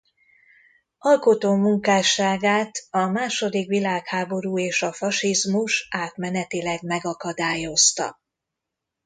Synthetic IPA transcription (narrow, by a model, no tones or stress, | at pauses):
ɒlko̞t̪oːmuŋkaːʃaːɡaːt̪ɒmaːʃo̞d̪ikʋilaːkhaːbo̞ɾuːeːʃɒfɒʃizmuʃaːt̪mɛnɛt̪ilɛɡmɛɡɒkɒd̪aːjo̞st̪ɒ̰